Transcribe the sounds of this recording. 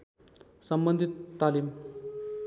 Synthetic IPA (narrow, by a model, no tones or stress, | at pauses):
səmbənd̪ʱit̪ːalim